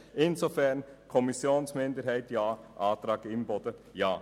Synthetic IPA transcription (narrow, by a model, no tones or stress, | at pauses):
ʔɪnsofɛʁnkʰɔmɪsjoːnsmɪndəɾɦæɪtjaːʔaːt̪ɾɑːɡɪmbɔdəjaː